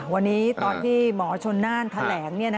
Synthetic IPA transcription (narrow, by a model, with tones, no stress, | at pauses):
wa˧nːiː˦˥t̪ɔː˧nt̪ʰiː˥˩mɔː˩˦t͡ɕʰo˧nːaː˥˩nt̪ʰa˧˥lɛː˩˦ŋni˥˩ɐna˦